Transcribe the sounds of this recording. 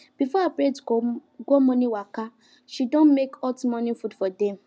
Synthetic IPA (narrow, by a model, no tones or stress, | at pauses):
b̥ifɔapɾetɡoɡomɔ̃nĩwaka | ʃidõnmekɔtmɔ̃nĩfudfɔdɛ̃m